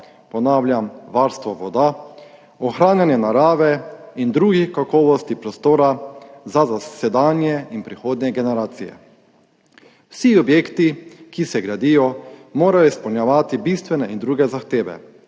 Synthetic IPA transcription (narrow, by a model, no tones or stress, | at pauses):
pɔnaːwljamʋaɾst̪ʋɔʋɔd̪a | ɔxɾaːnjanjɛnaɾaːʋɛind̪ɾuːɡixkakɔːʋɔst̪ipɾɔst̪oːɾazazasɛd̪anjɛinpɾixoːd̪nʲjɛɡɛnɛɾaːt̪sijɛ̰ | wsiɔbjeːkt̪ikisɛɡɾad̪ijɔmoːɾajɔispɔwnjaʋaːt̪ibist̪ʋɛnɛʔind̪ɾuːɡɛzaxt̪eːʋɛ̰